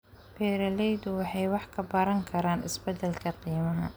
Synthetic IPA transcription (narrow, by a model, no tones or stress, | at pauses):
b̥ɛːɾɐlɛjd̪ʊwɑħɑjwɑħkʰɐbɐɾɐŋkʰɐɾaːnɪ̰sbɛd̪ɛlkʰɐqiːmɐɦɐ̰